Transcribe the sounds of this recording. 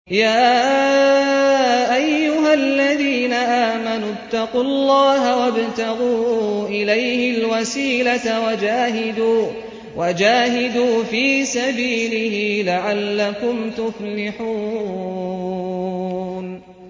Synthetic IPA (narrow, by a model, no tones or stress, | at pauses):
jaː | ʔajːʊɦalːaðiːnaʔaːmanʊt̪ːɑqʊlˤːɑːɦhawabt̪aɣuːʔɪlajhɪlwasiːlatawad͡ʒaːɦɪd̪uː | wʔad͡ʒaːɦɪd̪uːfiːsabiːlɪhɪlaʕalːakʊmt̪ʊflɪħuː | n